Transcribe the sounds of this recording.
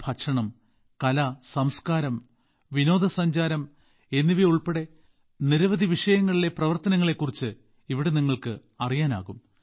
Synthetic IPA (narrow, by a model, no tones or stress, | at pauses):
b̥ʰʱɐkʂɐɳɐm | kɐlɐsɐmskaːɾɐm | ʋino̞ːd̪ʱɐsɐɲd͡ʑaːɾɐm | e̞nːiʋiuɭpe̞ɽe̞ | niɾɐʋɐd̪ʱiʋiʂɐjɐŋːɐɭile̞prɐʋɐrt̪ɐnɐŋːɐɭe̞kːurit͡ɕːɨ | iʋiɽeniŋːɐɭkɨ | ɐrijaːna̰ːɣum